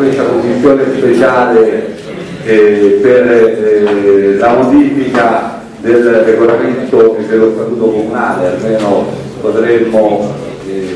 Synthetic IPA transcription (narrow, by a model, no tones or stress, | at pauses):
est̪akomːisːjoːnespet͡ʃaːle | per | lamod̪iːfika | d̪elreɡolament̪oed̪ːelːost̪at̪uːt̪okomunaːlealmeːno | pot̪ɾemːo